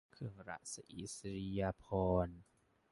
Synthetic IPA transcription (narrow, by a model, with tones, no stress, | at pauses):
kʰɯ˧˩əŋɾa̰˦˥ʔsa˧ʔi˨˦˥sɾi˧ja˧pʰɔː˧n